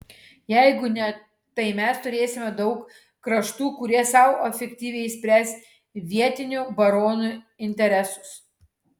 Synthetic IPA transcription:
jɛɪɡʊnʲɛ | t̪ɐɪmʲɛst̪ʊɾʲeːsʲɪmʲɛd̪ɒʊk | kɾɐʃt̪uːkʊɾʲiɛsɐʊɔfʲɛkʲt̪ʲiːʋʲɛɪɪsʲpʲɾʲæːsʲt̪ʲ | ʋʲiɛt̪ʲɪnʲʊbɐɾoːnu | ɪnʲt̪ʲɛɾʲɛsʊ̥s

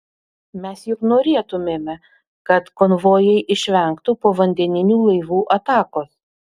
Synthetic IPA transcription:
mʲɛsjʊknoːɾʲeɛt̪ʊmʲeːmʲɛ | kɐt̪kɔnʋoːjɛɪʔɪʃʲʋʲɛŋkt̪ʊpoːʋɐnʲd̪ʲɛnʲɪnʲuːlˠɐɪʋuːʔɐt̪ɑːkoːs

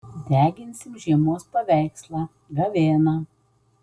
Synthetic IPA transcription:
d̪ʲæːɡʲɪnʲsʲɪmʒʲiɛmoːspɐʋʲæɪkslˠɑː | ɡɐʋʲeːnɑː

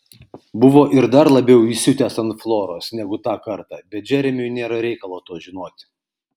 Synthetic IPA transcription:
bʊʋoːʔɪɾd̪ɐɾlˠɐbʲɛʊiːsʲʊt̪ʲɛːsɐnt̪flˠoːɾoːsnʲɛɡʊt̪ɑːkɐɾt̪ɑːbʲɛt̪̚d͡ʒʲɛɾʲɛmʲʊjnʲeːɾɐɾʲɛɪkɐlˠoːt̪oːʒʲɪnoːt̪ʲ

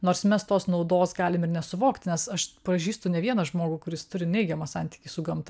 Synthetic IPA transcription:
noːɾsmʲɛst̪oːsnɐʊd̪oːsɡɑːlʲɪmɪrnʲɛsʊʋoːkt̪nʲɛsɐʃpɾɐʒʲiːst̪ʊnʲɛʋʲiɛnɐʒmoːɡʊkʊɾʲɪst̪ʊɾʲɪnʲɛɪɡʲɛmɐsɑnʲt̪ʲi̥ːkʲiːsʊɡɐmt̪ɐ

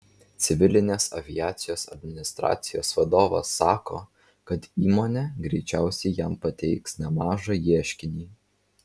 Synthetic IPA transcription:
t̪sʲɪʋʲɪlʲɪnʲeːsɐ̰ʋʲɪjæːt̪sʲɪjoːsɐ̰d̪ʲmʲɪnʲɪst̪ɾɑ̰ːt̪sʲɪjoːsʋɐd̪oːʋɐ̰sːɑːkoː | kɐt̪iːmoːnʲɛɡɾʲɛɪt͡ʃʲæˑʊsʲɛɪjæmpɐt̪ʲɛɪksnʲɛmɑːʒɑjiɛʃʲkʲɪnʲiː

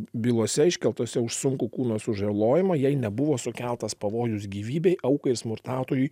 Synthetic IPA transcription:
bʲiːlˠoɔsʲɛɪʃʲkʲɛlˠt̪oːsʲɛʊʃsʊŋkukuːnoːsʊʒɐlˠoːjɪmɐjɛɪnʲɛbʊʋoːsʊkʲælˠt̪ɐspɐʋoːjʊsɡʲiːʋʲiːbʲɛɪʔɐʊkɐɪɾsmʊɾt̪ɑːt̪oːjuː

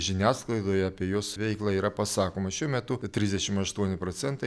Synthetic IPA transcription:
ʒʲɪnʲæːsklˠɐɪd̪oːjɛɐpʲiɛjoːsʋʲɛɪklˠɑːiːɾɐpɐsɑːkoːmɐʃʲuɔmʲɛt̪ʊt̪ʲɾʲɪzʲd̪ʲɛʃʲɪmɐʃt̪uɔnʲɪpɾoːsʲɛnt̪ɐɪ

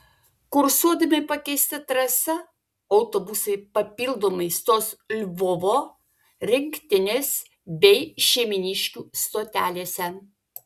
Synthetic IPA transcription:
kʊɾsuɔd̪ɐmʲɪpɐkʲɛɪsʲt̪ʲɐt̪ɾɐsɐ | ɒʊt̪oːbʊsɐɪpɐpʲiːlˠd̪oːmɐɪst̪oːslʲʋoʋoː | ɾʲɪŋʲkʲt̪ʲɪnʲeːs | bʲɛɪʃʲɛɪmʲɪnʲiʃʲkʲuːst̪oːt̪ʲæːlʲeːsʲɛ

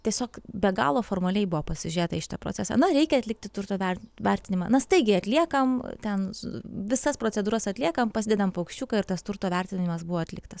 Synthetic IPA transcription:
t̪ʲiɛsʲoːkbʲɛɡɑ̰ːlˠoːfoːrmɐlʲɛɪbʊʋoːpɐsʲɪʒʲyɾʲeːt̪ɐiʃɪ̥t̪ɐpɾo̰ːt͡sʲæːsɑ̰nɐɾʲɛɪkʲɛɐt̪ʲlʲɪkt̪ʲɪt̪ʊrt̪oːʋʲɛʋʲɛɾʲt̪ʲɪnʲɪmɑːnɐst̪ɐɪɡʲɪɐt̪ʲlʲiɛkɐmt̪ʲɛnʋʲɪsɐspɾoːt͡sʲɛd̪uːɾɐsɐt̪ʲlʲiɛkɐmpɐsʲɪd̪ʲɛd̪ɐmpɐɐʊkʃʲt͡ʃʲuːkɐɪɾt̪ɐst̪ʊrt̪oːʋʲɛrʲt̪ʲɪnʲɪmɐsbʊʋoːɐt̪ʲlʲɪkt̪ɐs

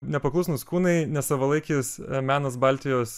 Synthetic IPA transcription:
nʲɛpɐklˠuːsnʊskuːnɐɪnʲɛsɐʋɐlˠɐɪkʲismʲæːnɐs̬bɑlʲt̪ʲɪjoːs

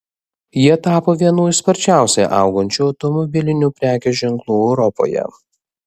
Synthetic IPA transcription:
jiɛt̪ɑːpoːʋʲiɛnuːspɐɾʲt͡ʃʲæˑʊsʲeːʔɑˑʊɡɐnʲt͡ʃʲuɐʊt̪ɔmɔbʲɪlʲɪnʲuːpʲɾʲæːkʲɛːʒʲɛŋklˠuːɛʊɾɔpo̰ːjɛ̰

